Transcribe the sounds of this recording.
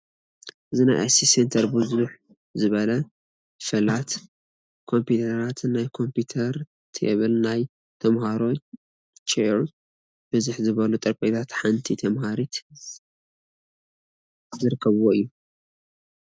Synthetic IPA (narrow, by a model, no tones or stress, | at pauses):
ʔɨzina̰jʔa̰sisent̪ʰɐɾbɨzuħ | zɨβɐlɐ | fɨlat̪ | kʰo̞mpʰut̪ʰɐɾat̪ʰnnːajkʰo̞mput̪ʰɐɾ | t̪ʰḛβɨlnaj | t̪ʰɐmhaɾo̞ | t͡ʃeɾ | b̥ɨzuħzɨβɐlut̪ʼɨɾpʼet̪ʰat̪ħant̪ʰit̪ʰɐmhaɾit̪ | zɨɾɨkʰːɐβwoɨjːu